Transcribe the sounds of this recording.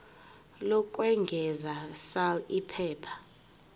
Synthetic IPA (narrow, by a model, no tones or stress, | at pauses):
lɔk̬ʼwɛŋɡʱɛzasalipʰɛːpʰḁ